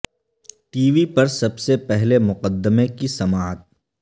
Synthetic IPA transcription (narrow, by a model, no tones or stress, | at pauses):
ʈiːʋipɐɾsɐbsepɛɦlemʊqəd̪ːəmekisɐmaːət̪̚